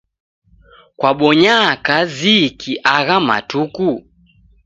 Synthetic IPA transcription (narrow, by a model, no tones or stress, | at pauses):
kwaɓɔɲakazikʰiʔaɣama̰tuku